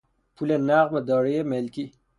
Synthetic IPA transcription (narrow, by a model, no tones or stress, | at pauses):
pʰulenaʁbed̪ɔːɾejemelki